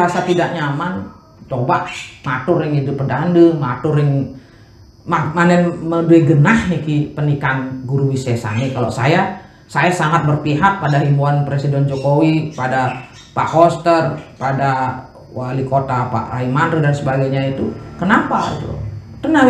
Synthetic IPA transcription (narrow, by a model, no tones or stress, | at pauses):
asat̪idaʔɲaːman | t͡ʃobaʔmat̪ʊrɪŋidʊpədandəmat̪ʊrɪŋ | mamanɛnməduiɡənahnikipənikanɡuɾuwisɛsa̰nikalo̰sa̰ja | sajasaŋat̪̚bərpiɦak̚padaɦimbuanpɾesidɛnd͡ʒokowipada | pa̰ʔhost̪ərpada | walikot̪apa̰ʔaimandɾədansəbaɡajɲait̪ṵkənapa̰ḭt̪ṵt̪əna